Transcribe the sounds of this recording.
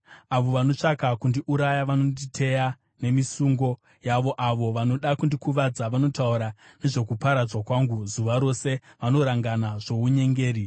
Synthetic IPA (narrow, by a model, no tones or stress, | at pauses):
aʋo̞ʋano̞t͡ʂakakundiʔuɾajaʋanonditʰe̞ja | ne̞misuŋɡo̞ | jaʋo̞ʔaʋo̞ʋano̞ɗakundikuʋad͡zaʋano̞tauɾane̞ʐe̞kupaɾad͡zwakwaŋɡuzuʋaɾo̞se̞ʋano̞ɾaŋɡanaʐo̞uɲe̞ŋɡe̞ːɾi